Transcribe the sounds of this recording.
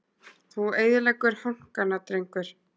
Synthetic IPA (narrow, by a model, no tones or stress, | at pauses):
θueːjðɪlɛkʏɾ̥haŋ̥kanat̪ɾejŋkʏɾ̥